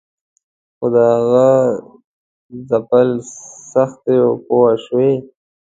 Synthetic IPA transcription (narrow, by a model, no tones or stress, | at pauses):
xod̪əaɣa | zapalsaxt̪ejopoaʃwe